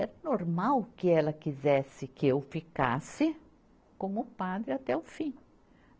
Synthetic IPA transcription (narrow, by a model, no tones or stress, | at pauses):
ɛɾɐnoɾmawkɪɛlɐkizɛsɪkɪewfika̰sɪ | kõmʊpad̪ɾɪat̪ɛʊfĩ